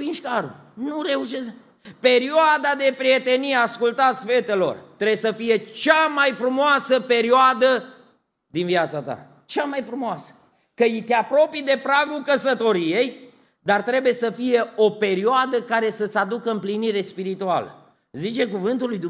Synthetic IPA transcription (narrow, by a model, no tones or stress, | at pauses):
vinʃkaɾṵ | nuɾe̞uʃes | pe̞ɾioad̪ad̪e̞pɾie̞t̪e̞nijeaskult̪at̪sʲfe̞t̪e̞lo̞̰rt̪ɾebjsəfije̞t͡ʃamajfɾumoasəpe̞ɾioad̪ə | d̪inviat̪sat̪a̰ | t͡ʃamajfɾumoasə̥ | kəjit̪eapɾo̞pijd̪e̞pɾaɡulkəsət̪o̞ɾije̞j | d̪art̪ɾe̞buje̞səfije̞o̞pe̞ɾioad̪əkaɾe̞sət̪sʲad̪ukəɨmpliniɾe̞spiɾit̪ua̰lə̰ | zit͡ʃe̞kuvɨnt̪ulːujd̪u